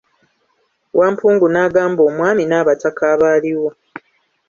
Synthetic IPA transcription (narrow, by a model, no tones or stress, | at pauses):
wʔaːmpuːŋɡunaːɡaːmbo̞ːmwaːminaːβatakaːβaːliwo